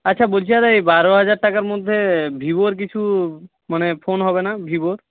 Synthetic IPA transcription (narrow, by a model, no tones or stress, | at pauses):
atːɕʰabolt͡ɕʰiat̪ajbaɾoɦad͡ʑaɾʈakaɾmod̪ʱːebʱiboɾk̬it͡ɕʰu | manepʰonɦɔbenabʱiboɾ